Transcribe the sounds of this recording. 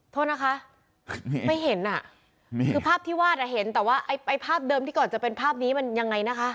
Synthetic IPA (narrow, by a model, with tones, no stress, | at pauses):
t̪ʰoː˥˩t̪̚na˦˥kʰa˦˥ʔ | ma˥˩jɦe˨˩˦nʔa˨˩ | kʰɯː˧pʰaː˥˩p̚t̪ʰiː˥˩waː˥˩t̪̚a˨˩ɦe˩˦nt̪ɛː˨˩waː˥˩ʔa˧˩jʔa˧jpʰaː˥˩p̚dɤː˧mt̪ʰiː˥˩kɔː˨˩nt͡ɕa˨˩pe˧npʰaː˥˩p̚niː˦˥ma˧nja˧ŋːa˧jna˦˥kʰa˦˥ʔ